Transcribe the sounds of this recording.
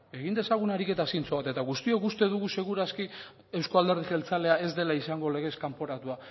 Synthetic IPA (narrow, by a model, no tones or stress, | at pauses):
e̞ɣind̪e̞saɣ̞unaɾike̞t̪asint͡soβat̪e̞t̪aɣust̪iokust̪e̞ðuɣuse̞ɣ̞uɾaski | e̞wskoald̪e̞ɾð̞iʝe̞lt͡sale̞ae̞zd̪e̞laisaŋɡo̞le̞ɣe̞skampo̞ɾat̪ua